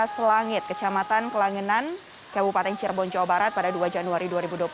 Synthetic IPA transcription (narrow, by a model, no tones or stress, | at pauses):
səlaŋɪt̪̚kət͡ʃamat̪ankəlaŋənan | kabupat̪ɛŋt͡ʃɛrbɔnt͡ʃawabaɾat̪̚padaduad͡ʒanuaɾiduaɾibuduop